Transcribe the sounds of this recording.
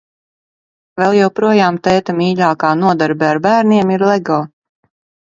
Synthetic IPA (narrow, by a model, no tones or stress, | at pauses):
vɛlˠjɛwpɾuɔjaːmt̪ɛːt̪amiːʎʲaːkaːnuɔd̪aɾbɛaɾbæːɾnʲiɛmiɾlˠɛɡɔː